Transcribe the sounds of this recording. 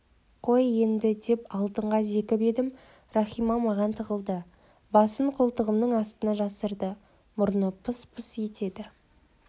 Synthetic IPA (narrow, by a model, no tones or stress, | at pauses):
qʰo̞je̞nd̪ɪd̪e̞pɑlˠt̪əɴʁɑze̞kʲɪbe̞d̪ɪm | rɑχijmɑmɑʁɑnt̪ʰəʁəlˠd̪ə | bɑsəɴqʰʊlˠt̪əʁəmnəɴɑst̪ənɑʒɑsəɾd̪ə | mʊɾnəpʰəspʰəsje̞t̪ʰe̞d̪ɪ